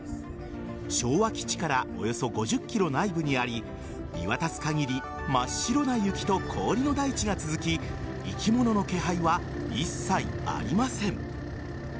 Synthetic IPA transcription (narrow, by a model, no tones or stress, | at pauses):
ɕo̞ːβakʲi̥t͡ɕi̥kaɾao̞̰jo̞so̞ɡo̞ʑɨkʲːiɾo̞naibɯ̟ɲ̟iaɾʲi | ɾʲḭβat̪at͡sɨ̥kaɡʲiɾʲi | maɕːiɾo̞najɯ̟kʲi̥t̪o̞kʰo̞ːɾʲino̞d̪ait͡ɕiɡat͡sɨzɨkʲi | ikʲimo̞no̞no̞ke̞ɦaiβa | isːaḭ | a̰ɾʲimasẽ̞ɴ